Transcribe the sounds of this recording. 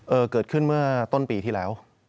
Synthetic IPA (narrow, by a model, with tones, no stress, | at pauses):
ʔɤː˧kɤː˨˩t̪̚kʰɯ˥˩nmɯ˥˩ɐt̪o˥˩npiː˧t̪ʰiː˥˩lɛː˦˥w